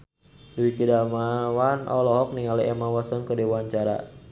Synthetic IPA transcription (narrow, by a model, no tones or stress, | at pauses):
duikidamawanʔɔ̰lɔɦɔk̚niŋaliʔɛmawasɔnkədewaɲt͡ʃaɾa̰